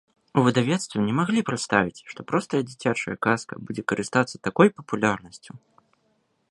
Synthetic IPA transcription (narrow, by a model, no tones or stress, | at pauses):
uvɨd̪avʲɛt̪st̪vʲɛnʲɛmaɣlʲipɾɨt̪st̪avʲit͡sʲʂt̪ɔpɾɔst̪ɐjɐd͡zʲit͡sʲat͡ʂɐ̰jɐkaskɐ̰bud͡zʲɛkɐɾɨst̪at̪sɐt̪akɔjpɐpulʲarnɐsʲt͡sʲu